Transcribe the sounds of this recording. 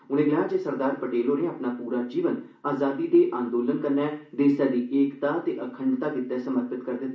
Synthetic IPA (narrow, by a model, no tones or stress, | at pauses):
ʊnẽːɡɪlaːd͡ʒeːsəɾd̪aːɾpəʈeːlɦoːɾẽaːpnaːpuːɾaːd͡ʒiːʋən | aːzaːd̪iːd̪eːʔãːnd̪oːlənkəɾnɛːd̪eːsɛːd̪iːʔeːkt̪aːt̪eːʔəkʰəɳɖt̪aːkɪt̪ːɛːsəməɾpɪt̪kəɾd̪ɪt̪ː